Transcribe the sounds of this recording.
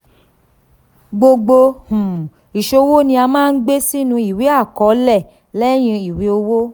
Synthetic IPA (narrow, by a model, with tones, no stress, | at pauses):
ɡ͡bo˧ɡ͡bo˧hũ˨ | i˨ʃo˧wo˦nĩ˧˦a˧mãː˦˧n̩˦ɡ͡be˦si˦nũ˧i˨wi˨˦a˦˨kɔ˨˦lɛ˦˨ | lɛ˦j̃ĩ˧i˨wi˨˦o˧wo˦